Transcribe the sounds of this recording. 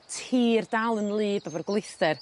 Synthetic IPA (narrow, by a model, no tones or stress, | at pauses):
tʰiːrdalˠənlˠiːdɔvərɡwlˠɪθdɛr